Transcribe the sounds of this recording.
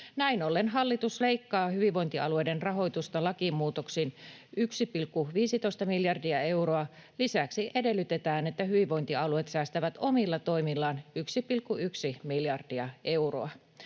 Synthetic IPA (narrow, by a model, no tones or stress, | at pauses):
næinolːenɦɑlːit̪usle̞ikːɑːhyʋiʋo̞jnt̪iɑluejdenrɑɦo̞jt̪ust̪ɑlɑkimuːt̪oksiːnyksipilkːuʋiːsit̪oist̪ɑmiljɑrdiɑe̞uɾoɑlisæksiʔede̞lːyt̪et̪æːnet̪ːæhyʋiʋo̞jnt̪iɑluet̪sæːst̪æʋæt̪omilːɑt̪o̞imilːɑːnyksipilkːuyksimiljɑrdiɑʔe̞uro̰ɑ